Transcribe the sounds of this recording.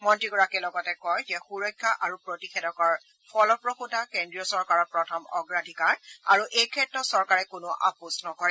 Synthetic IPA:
mɔntɹiɡɔɹakɛlɔɡɔtɛkɔjzɛxuɹɔjkʰːaʔaɹupɹotixʰɛdɔkɔɹ | pʰɔlɔpɹoxutakendɹijɔsɔɹkaɹɔɹpɹɔtʰɔmɔ̰ɡɹadʱikaɹa̰ɹuʔejkʰɛtːɹɔsɔɹkaɹɛkʊnʊʔa̰pusnɔkɔɹɛ

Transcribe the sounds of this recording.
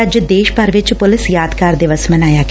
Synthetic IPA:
əd͡ʒd̪eːʃpəɾʋɪt͡ʃpʊlɪsjaːd̪kaːɾd̪ɪʋəsmɐnaːjaːɡ

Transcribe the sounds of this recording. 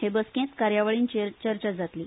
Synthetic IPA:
hebəskẽt̪kaɾjaʋəɭiːnt͡ɕet͡ɕəɾt͡ɕad͡zat̪liː

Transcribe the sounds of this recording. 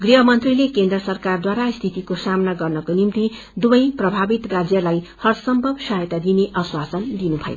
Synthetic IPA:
ɡriɦʌmʌnt̪rilekend̪rʌsʌrkard̪waɾast̪ʰit̪ikosamnaɡʌrnʌkonimt̪i | d̪ubʌjprʌbʱabit̪rad͡zjʌlajhʌrsʌmbʱʌbsʌɦjt̪ad̪ineʔʌswasʌnd̪inubʱʌ̰jo̰

